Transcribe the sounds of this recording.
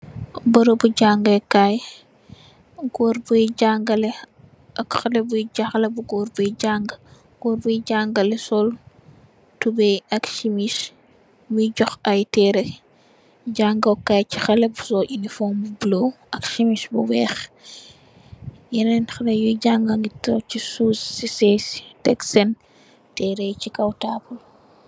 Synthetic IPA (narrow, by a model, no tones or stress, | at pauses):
bɐɾobuɟaŋɡɐkaj | ɡɔːɾbujɟaŋɡɐlɛ | ʔɐkxɐlebuiɟaxlebuɡɔɾbujɟaŋɡ | ɡ̥ɔːɾbuiɟaŋɡɐlɛsɔl | tubɛɐkʃimis | buiɟɔxajtɛɾɛ | ɟaŋɡɐwkːajcixɐlebusɔʔinifɔːmbubuloʔɐkʃimiʃbuwɛːx | jɛnɛnxɐlɛjuɟaŋɡaŋɡitːɔcisusːisɛstɛksɛn | tɛːɾɛjcikɐwtaːbul